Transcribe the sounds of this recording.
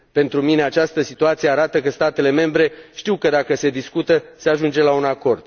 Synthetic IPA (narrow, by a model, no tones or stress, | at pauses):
pe̞nt̪ɾumine̞at͡ʃast̪əsit̪uat̪sijeaɾat̪əkəst̪at̪e̞le̞me̞mbɾe̞ʃt̪iwkəd̪akəse̞d̪iskut̪əse̞aʒund͡ʒe̞launako̞rd̪̥